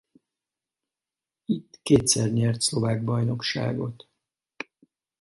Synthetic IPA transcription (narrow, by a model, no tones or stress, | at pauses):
it̪ːkeːt̪sɛrɲɛrt̪slo̞vaːɡ̚bɒjno̞kʃa̰ːɡo̞t̪